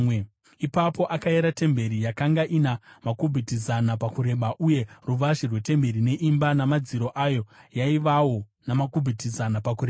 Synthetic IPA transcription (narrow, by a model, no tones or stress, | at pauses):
e | ipapo̞ʔakaeɾate̞mbe̞ɾijakaŋɡaʔinamakubʱitizanapakuɾe̞ɓaʔuje̞ruʋaʒirwe̞te̞mbe̞ɾine̞ʔimbanamad͡ziɾo̞ʔajo̞jaiʋawo̞ | namakubʱitizanapakuɾea